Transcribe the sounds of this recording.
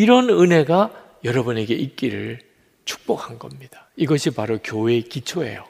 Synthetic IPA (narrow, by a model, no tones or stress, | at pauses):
iɾʌnɯnɦe̞ɡa | jʌɾʌbune̞ɡe̞ʔik͈iɾɯɭ | t͡ɕu̥k̚p͈okʰhanɡʌmɲid̥ḁiɡʌɕʰipaɾokjoe̞kit͡ɕʰoe̞̰jo